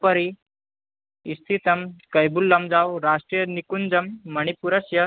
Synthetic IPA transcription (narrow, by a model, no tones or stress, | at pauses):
pəɾi | ist̪ʰit̪əmkəjbulːəmd͡zawɾaʂʈɾijənikund͡zəmːəñipuɾəsjə